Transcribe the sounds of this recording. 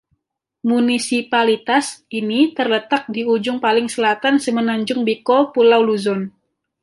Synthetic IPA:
munisipalit̪asinit̪ərlət̪ak̚diud͡ʒʊŋpalɪŋsəlat̪ansəmənaɲd͡ʒʊŋbikopulawluzɔn

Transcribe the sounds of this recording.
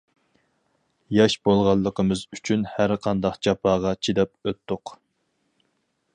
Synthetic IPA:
jɑʃbolˠʁɑlˠːəqʰəmɨzyt͡ʃʰynhæɾqʰɑnd̪ɑqd͡ʒɑpʰɑːʁɑt͡ʃʰid̪ɛp̚øt̪ːʊq

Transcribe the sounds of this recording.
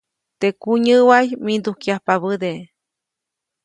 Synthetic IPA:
t̪ekuɲɨwajmind̪ukiahpaβɨd̪e

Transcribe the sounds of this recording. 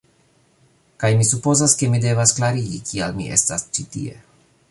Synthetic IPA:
kajmisupo̞zaske̞mide̞vasklaɾiɡikʰialmḭʔe̞̰stast͡ʃitḭe̞̰

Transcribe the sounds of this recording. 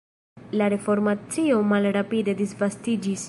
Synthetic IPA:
laɾe̞fo̞ɾmat͡sio̞malɾapide̞d̪isvastid͡ʒis

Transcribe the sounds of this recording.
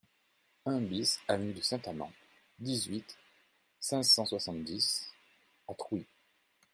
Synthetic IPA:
ɛ̃bisavnyd̪əsɛ̃t̪amɑ̰̃ | d̪izɥit̪ | sɛ̃zsɑ̃swasɑ̃t̪̚d̪is | at̪χwi

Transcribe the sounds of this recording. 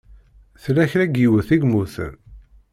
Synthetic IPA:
θlæçɾæɡiwəθiɡmuθə̰n

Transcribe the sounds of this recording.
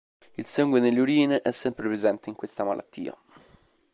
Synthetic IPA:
ilsaŋɡwed̪elːeuɾiːneʔɛsːɛmpɾepɾezɛnt̪eiŋkwest̪amalʔa̰t̪ːḭːa̰

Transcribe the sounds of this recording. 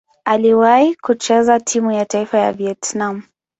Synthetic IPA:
aliwaikut͡ʃɛzatʰimujataifaja̰viɛtnamu

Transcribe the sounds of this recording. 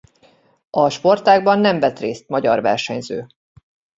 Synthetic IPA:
ɒʃpo̞rt̪aːɡbɒnːɛɱvɛt̪reːst̪̚mɒɟɒrvɛ̰rʃɛɲzø̰ː

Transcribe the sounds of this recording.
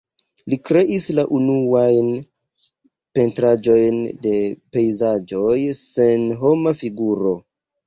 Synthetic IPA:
likɾe̞ʔislaʔunuajn | pe̞ntɾad͡ʒo̞jnde̞pe̞jzad͡ʒo̞jse̞nɦo̞mafiɡuɾo̞

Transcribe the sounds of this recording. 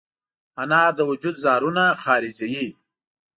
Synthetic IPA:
anɑːd̪əwʊd͡ʒud̪zɑːɾunaxɑːɾɪd͡ʒaji

